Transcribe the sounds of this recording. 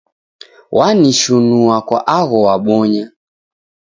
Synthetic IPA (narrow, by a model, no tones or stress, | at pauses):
waniʃunuakwa̰ʔaɣɔwaɓɔɲa